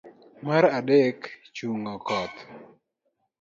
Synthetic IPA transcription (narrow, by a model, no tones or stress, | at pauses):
maɾadɛkt͡ʃuŋɔkɔt̪